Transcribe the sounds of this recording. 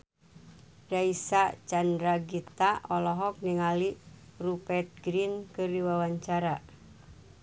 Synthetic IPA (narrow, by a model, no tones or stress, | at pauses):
raisat͡ʃandɾaɡit̪aɔlɔɦɔk̚niŋalirupɛt̪̚ɡɾinkɨrdiwawaɲt͡ʃaɾa